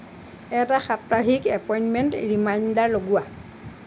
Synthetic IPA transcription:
ɛtaxap̚taɦikɛpɔjinmɛntɹimajndaɹloɡua

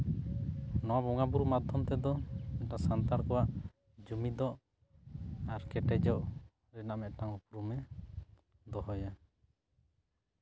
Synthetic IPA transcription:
nɔwabɔŋabuɾumad̪ʱːɔmt̪ɛd̪ɔɛʈasant̪aɾkɔwaʔ | d͡ʒumid̪ɔʔ | aɾkɛʈɛd͡ʒɔʔ | ɾɛnaʔmɛʔʈaŋupɾumɛ | d̪ɔɦɔja

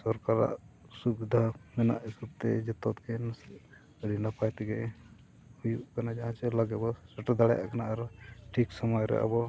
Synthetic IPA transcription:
sɔɾkaɾa̰ʔ | subd̪ʱamɛna̰ʔisub̚t̪ɛd͡ʒɛt̪ɔt̪̚ɡɛnas | əɽinapajt̪ɛɡɛ | hujuʔkanad͡ʒaɦãt͡ʃɛlaɡɛbɔsɛʈad̪aɽɛja̰ʔkanaaɾʈʰiksɔmɔjɾɛ̰ʔa̰bɔ

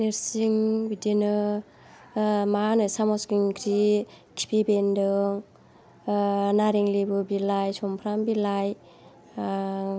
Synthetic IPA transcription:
niɾsiŋbidenɯ | manɯsamɔskiŋkʰɾi | kʰi̥pʰibendɯŋ | naɾiŋlibɯbilajsɔmpʰɾambilaj

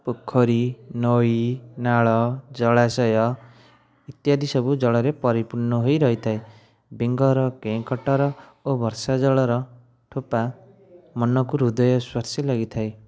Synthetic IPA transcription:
pukʰːɔɾinɔinaɭɔd͡ʒɔɭasɔjɔ | it̪jad̪isɔbud͡ʒɔɭɔɾepɔɾipuɾnɔɦojɾʌɦit̪ʰae | beŋɡɔɾɔkẽkɔʈɔɾɔobʱɔɾsad͡ʒɔɭɔɾɔ | ʈʰopa | mɔnɔkuɾud̪ɔjɔswaɾsilaɡit̪ʰae

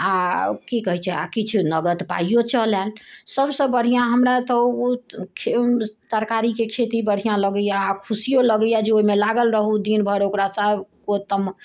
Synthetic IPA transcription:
akikəɦit͡ʃʰɛa̰kit͡ʃʰunəɡət̪pa̰ijot͡ʃəlɛlsəbsə̃bəɽ̤ijãɦəmɾat̪əokʰt̪əɾkaɾikekʰet̪ibəɽ̤ijãləɡəjaːkʰusijoləɡəjad͡ʒeoimelaɡəlɾəɦud̪inbʱəɾokɾasəbkot̪əm

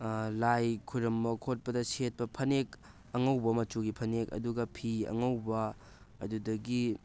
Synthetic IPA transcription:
lajkʰuɾɐmbɐkʰot̚pɐdɐset̚pɐpʰɐnek | ɐŋɐwbɐmɐt͡ʃuɡipʰɐnekɐ̰duɡɐpʰiɐ̰ŋɐwbɐː | dudɐɡi

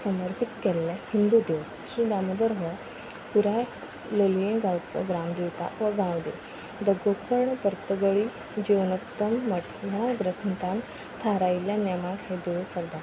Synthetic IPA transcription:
səməɾpʰit̪kɛlːɛ̃hind̪ud̪eʋ | ɕɾid̪aməd̪əɾɦə | puɾa | ləlujẽɡawt͡sə̰ɡɾamd̪iʋt̪a̰ʋəɡãwd̪e | d̪əɡokʰəɾɳəpəɾt̪əɡəɭi | d͡ʑiwnət̪ːəmːəʈʰjaɡɾəsnt̪am | t̪ʰaɾajljanjamãɡɦed̪ewt͡səɡd̪a

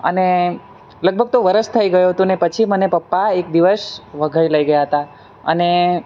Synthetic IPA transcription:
ə̰ne | ləɡ̚bʱəɡ̚t̪oʋəɾəst̪ʰəiɡəjuɦət̪ũnepət͡ʃʰimənepəpːaek̚d̪iʋəsʋəɡʱəiləiɡəjaɦət̪a | ə̰ne

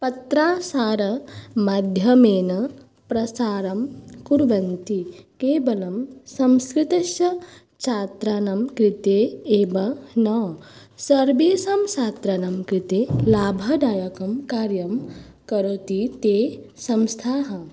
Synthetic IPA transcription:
pɐt̪ɾaːsaːɾɐmɐd̪ʱjɐmeːnɐ | pɾɐsaːɾɐmkuɾʋɐnt̪ikeːʋɐlɐmsɐ̃mskɾɪt̪ɐʃjɐ | t͡ʃʰaːt̪ɾaːnɐmkɾit̪eːeːbɐnɐʋ | sɐɾbeːsɐmt͡ʃaːt̪ɾanɐmkɾit̪eːlaːbʱɐd̪aːjɐkɐmkaːɾjɐm | kɐɾot̪it̪eː | sɐmst̪ʰaːɦɐ

